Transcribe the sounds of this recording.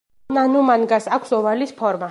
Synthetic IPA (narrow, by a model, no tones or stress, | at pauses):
nanumanɡasakʷʰsɔvalispʰɔɾma